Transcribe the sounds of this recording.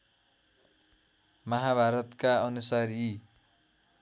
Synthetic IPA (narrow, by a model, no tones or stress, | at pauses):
mʌɦabʱaɾʌt̪kaʌnusaɾi